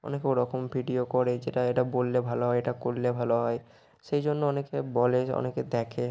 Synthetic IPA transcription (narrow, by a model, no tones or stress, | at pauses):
ɔ̰nekeoɾɔkʰombʱiɖiokɔɾed͡ʑeʈaeʈabolːebʱaloɦɔeeʈakolːebʱaloɦɔe | ʃejd͡ʑonːoɔnekebɔleɔ̰neked̪ɛkʰe